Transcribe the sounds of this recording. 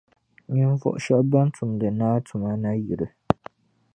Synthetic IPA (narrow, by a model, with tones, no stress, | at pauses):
ɲi˦ɱ˦fɔ̰˦ʔʃɛ˦ʔba˦n˦tʰʊ˨mdɨ˨naː˦tʰʊ˨ma˦na˦ji˨ɾɨ˨